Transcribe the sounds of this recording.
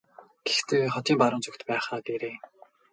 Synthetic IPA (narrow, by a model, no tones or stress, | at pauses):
ɡ̥ext̪ʰeːχɔt̪ʰiːmpaɾʊ̆nt͡ɕʰʊkt̪pæːχaːt̪eɾeː